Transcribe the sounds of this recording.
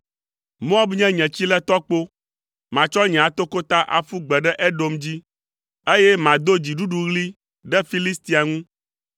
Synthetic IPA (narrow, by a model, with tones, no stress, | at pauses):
mõ˦a˦bɲɛ̃˦ɲɛ̃˨t͡ɕi˦lɛ˦t̪ɔ˦k͡po˦ | mã˨t͡ʃɔ˦ɲɛ̃˨a˨t̪o˦ko˦t̪a˦ʔa̰˨fu˦ɡ͡bɛ˨ɖɛ˦ʔɛ˦ɖo˦md͡ʑi˦ | e˦jɛ˦mã˨d̪o˦d͡ʑi˨ɖu˦ɖu˨ɣli˦ | ɖɛ˦fi˦li˦st̪i˦a˨ŋũ˦